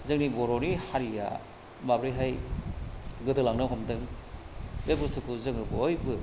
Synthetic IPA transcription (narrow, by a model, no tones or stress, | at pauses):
zɯŋnibɔɾonihaɾija̰ | mabɾɯjɦaj | ɡɯdɯlaŋnɯɦɔmdɯŋ | bebustʰɯkuzɯŋɯbɯojbɯ